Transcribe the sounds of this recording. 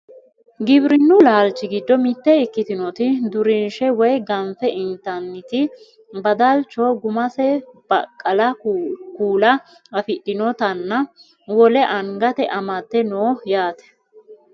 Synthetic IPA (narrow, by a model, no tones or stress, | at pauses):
ɡɪbɾɪnːʊlaːlt͡ʃːɪɡɪd̪ːɔmɪt̪ːɛɪkːɪt̪ɪnɔt̪ɪd̪ʊɾɪnʃɛwɔjɡɐmfɛʔɪnt̪ɐnːɪt̪ɪ | bɐd̪ɐlt͡ʃːɔɡʊmɐsɛb̥ɐkʼːɐlɐkuːlɐ | ɐfɪɗːɪnɔt̪ɐnːɐ | wɔlɛʔɐŋɡɐt̪ɛʔɐmɐt̪ːɛnoːjaːt̪ɛ̥